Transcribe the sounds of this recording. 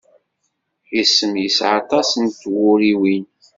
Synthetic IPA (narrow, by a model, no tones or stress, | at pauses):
isːəmjəsʕɑt̪ˤɑsənt̪wʊɾiwin